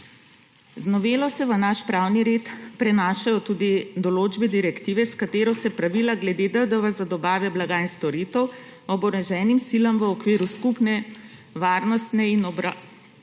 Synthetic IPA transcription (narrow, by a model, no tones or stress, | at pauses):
znɔʋeːlɔsɛʋənaʃpɾaːwniɾeːt̪pɾɛnaːʃajɔt̪uːd̪id̪ɔloːd͡ʒbɛd̪iɾɛkt̪iːʋɛskat̪eːɾɔsɛpɾaʋiːlaɡlɛd̪ed̪əd̪əʋazad̪ɔbaːʋɛblaɡaːinst̪ɔɾiːt̪ɛw | ɔbɔɾɛʒɛːnimsilɐmʋəɔkʋeːɾuskupnɛ | ʋaːɾnɔst̪nɛinɔbɾa